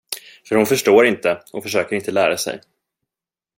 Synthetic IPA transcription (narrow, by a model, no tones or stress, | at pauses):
fœɾhʊnfœʂʈoːɾɪnt̪əɔfœʂøːkəɾɪnt̪əlæːɾasɛ̰j